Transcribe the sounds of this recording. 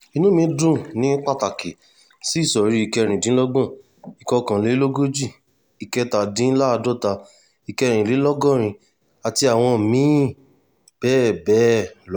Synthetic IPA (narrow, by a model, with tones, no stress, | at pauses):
i˧nũ˦mĩ˧˦dũ˦˨nĩ˨˦k͡pa˦˨ta˨ki˨ | si˦˨sɔ˨ɾi˨˦i˧kɛ˧ɾ̃ĩ˨dĩ˨˦lɔ˦ɡɔ̃˦˨ | i˨kɔ˧kã˨le˨˦lo˦ɡo˦d͡ʒi˦˨ | i˨kɛ˧ta˨dĩ˨˦la˦˧do˦˨ta˧ | i˨kɛ˧ɾ̃ĩ˨le˨˦lɔ˦ɡɔ̃˦˨ɾ̃ĩ˧ | a˨ti˧a˨w̃ɔ̃˧˨mĩ˨˦ | b̥ɛː˦˨bɛ˨˦lɔ˦